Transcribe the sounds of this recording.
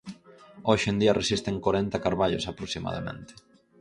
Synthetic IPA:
oʃend̪iɐresist̪eŋkoɾɛnt̪ɐkaɾβaʎo̰sapɾoksima̰ða̰mḛ̃nt̪ɪ̥

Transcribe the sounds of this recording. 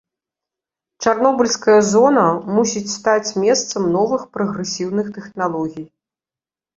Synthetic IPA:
t͡ʂarn̪ɔbɐlʲskɐjɐzɔnɐmusʲit͡sʲst̪at͡sʲmʲɛst̪sɐmnɔvɨxpɾɐɣɾɛsʲiwnɨxt̪ɛxnalˠɔɣʲij

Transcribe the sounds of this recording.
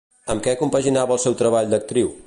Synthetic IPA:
əmkɛkumpəʒinaβəlˠsɛwt̪ɾəβaʎd̪ək̚t̪ɾiw

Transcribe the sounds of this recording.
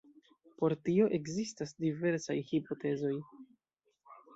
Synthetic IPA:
po̞ɾtio̞ʔe̞kzistasdive̞ɾsajhipo̞te̞zo̞j

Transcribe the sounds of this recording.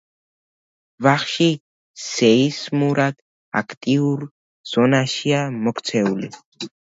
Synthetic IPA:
vaχʃi | sɛismuɾad̪̥ | a̰kʰt̪ʼiuɾ | z̥ɔnaʃiamɔkʰt̪sʰɛuli

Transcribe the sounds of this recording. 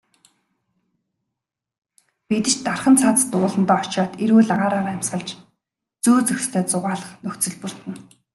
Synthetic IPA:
pet̪ɘ̆t͡ɕt̪arχə̆nt͡sʰat͡st̪ʊːɮə̆nt̪æːɔt͡ɕaːt̪eɾɣuːɮaʁaːɾaːʁæm̥ʲsχə̆ɮt͡ɕ | t͡suːt͡sɵxʲst̪ʰeːt͡sʊʁaːɮə̆χnɵxt͡sɵ̆ɮpɵ̆r̥t̪ɘ̆n

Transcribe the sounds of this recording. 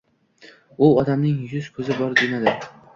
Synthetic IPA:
ʊɒd̪amnɪŋjʊz̥kʰɵzɪbɒɾd̪enad̪ɪ

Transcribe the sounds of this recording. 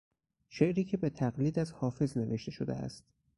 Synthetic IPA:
ʃe̞ʔɾiːcʰe̞be̞t̪ʰæɣliːd̪æzhɒːfe̞zne̞ve̞ʃt̪ʰe̞ʃod̪ḛæ̰st̪

